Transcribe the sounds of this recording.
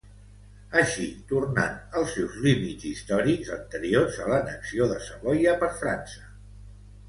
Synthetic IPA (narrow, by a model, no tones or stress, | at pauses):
əʃit̪urna̰nəlˠsːɛwzlimizist̪ɔɾikzənt̪əɾiorzələnəksioðəsəβɔjəpəɾfɾa̰nsə̥